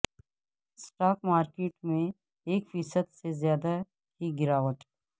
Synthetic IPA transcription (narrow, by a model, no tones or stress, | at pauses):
sʈaːk̚maːɾkeːʈmẽ | eːkfiːsəd̪sezjaːd̪a | ɦiɡɪɾaːʋəʈ̪